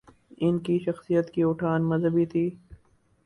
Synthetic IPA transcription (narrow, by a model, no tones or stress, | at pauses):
ɪnkiʃɐxsijət̪kiʊʈʰaːnmɐzɦəbit̪ʰiː